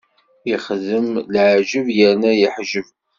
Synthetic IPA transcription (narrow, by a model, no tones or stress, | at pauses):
jəχðəmlʕʒəvjəɾnæjəħʒəv